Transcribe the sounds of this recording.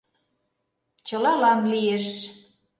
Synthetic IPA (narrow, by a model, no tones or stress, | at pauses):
t͡ɕəlɑlɑnlieʃ